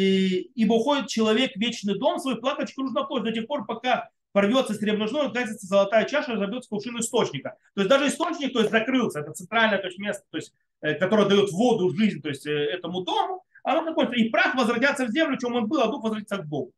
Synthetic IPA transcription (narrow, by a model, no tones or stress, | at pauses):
iibəʊxo̞dʲɪt̪̚t͡ɕɪlˠɐvʲe̞kvʲet͡ɕnɨjd̪o̞msvɐjuplˠakət͡ɕkʊnuʐnəplosʲt̪̚ʲd̪ɐtʲexpo̞rpɐka | pɐrvʲo̞t̪səsʲɾʲɪvnɐʐnoʊt̪kat̪ʲɪt̪səzəlˠɐt̪ajət͡ɕaʂərəzɐbʲjot̪sə̥klˠʂɨnʊɪst̪o̞t͡ɕnʲɪkət̪o̞ɪsʲd̪aʐɨɪst̪o̞t͡ɕnʲɪk̚t̪oɪsʲt̪ʲzɐkɾɨlˠsʲəɛt̪ət̪sɨnt̪ɾalʲnəjət̪oɪsʲtʲmʲe̞st̪ə̥t̪o̞ɪsʲt̚ʲ | kɐt̪o̞ɾəjəd̪ɐjo̞t̪vo̞d̪ʊʐɨzʲnʲt̪o̞jɪsʲtʲɛt̪əmʊd̪o̞mʊ | ɐnot̪ɐkojʲt̪ipɾaxvəzvɾɐtʲat̪sːəvzʲe̞mlʲʊt͡ɕe̞mo̞nbɨlˠɐd̪uxvəzvɾɐtʲit̪səɡ̚d̪omʊ